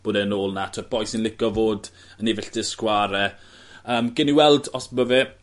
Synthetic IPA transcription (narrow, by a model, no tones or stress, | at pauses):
b̥oːdɛənoːlˠnatʰəb̥ɔjsɪnlɪɡɔvoːd | ənɪvɛɬd̥ɪskwaɾɛ | əːmɡɪniwɛlˠdɔsbəvɛ